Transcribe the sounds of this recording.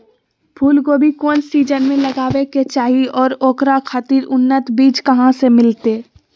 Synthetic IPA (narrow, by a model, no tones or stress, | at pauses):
pʰuːlkoːbʱikoːnsiːd͡ʒənmẽlɐɡaːʋeket͡ʃaːɦiɔːɾoːkɾakʰaːt̪iːɾʊnːət̪biːd͡ʒkɐɦãsemɪlt̪eː